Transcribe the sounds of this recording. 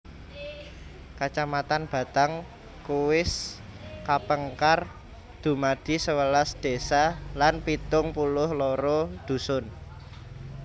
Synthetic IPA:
kat͡ʃamat̪anb̥ä̤t̪aŋ | kuwɪs | kapəŋkar | d̪̥ṳmad̪̥i̤səwəlasd̪̥e̤salanpit̪ʊŋpulʊhloɾod̪̥ṳsʊn

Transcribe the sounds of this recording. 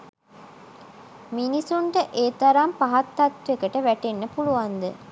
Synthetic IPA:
minisuɳʈəʔeːt̪ɐɾampaɦɐt̪ːat̪ʋekəʈəʋæʈenːəpuluʋand̪ə

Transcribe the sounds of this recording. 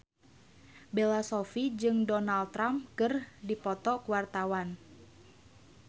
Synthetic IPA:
belasɔfid͡ʒɨŋdɔnalt̪ɾampkɨrdipɔt̪ɔkuwart̪awan

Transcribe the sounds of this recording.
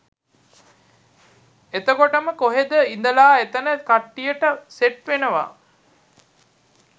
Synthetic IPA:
et̪əkoʈəməkoɦed̪əind̪əlaːet̪ənəkaʈːijəʈəseʈʋenəʋa̰

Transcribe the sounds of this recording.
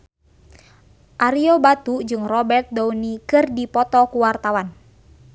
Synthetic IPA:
ʔaɾiobat̪ud͡ʒɨŋrɔbɛrt̪̚dɔunikɨrdipɔt̪ɔkuwart̪awan

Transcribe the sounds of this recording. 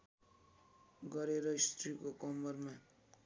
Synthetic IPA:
ɡʌɾeɾʌist̪ɾikokʌmʌrma

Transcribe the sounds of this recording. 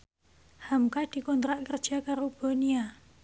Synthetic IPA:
hamkad̪̥i̤kɔnt̪ɾaʔkərd̥ʒ̥a̤kaɾob̥o̤nia

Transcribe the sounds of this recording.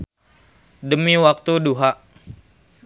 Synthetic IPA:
dəmiwak̚t̪uduɦaʔ

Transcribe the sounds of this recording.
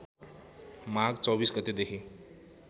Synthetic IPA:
maɡt͡sɔbiːsɡət̪ed̪ekʰi

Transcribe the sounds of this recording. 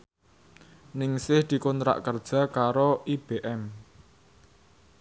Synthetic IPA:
nɪŋsɪhd̪̥i̤kʊnt̪ɾa̰ʔkərd̥ʒ̥a̤kaɾoʔib̥eʔɛm

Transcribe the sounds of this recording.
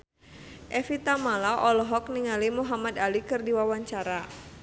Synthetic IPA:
ʔɛfit̪amalaʔɔlɔɦɔk̚niŋalimuɦamad̪alikɨrdiwawaɲt͡ʃaɾa

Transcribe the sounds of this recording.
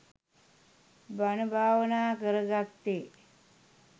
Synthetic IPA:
banəbʱaːʋənaːkəɾəɡat̪ːe

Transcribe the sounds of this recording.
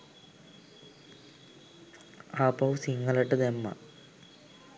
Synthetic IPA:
aːpɐwsiŋɡɐlɐʈːɐd̪emːɐ̰

